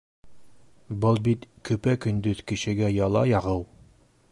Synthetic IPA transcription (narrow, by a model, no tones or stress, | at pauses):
bɤlˠbit̪kɵ̆pækɵ̆nd̪ɵðkɘ̆ɕɘ̆ɡæjɑlˠɑ̰jɑʁɤw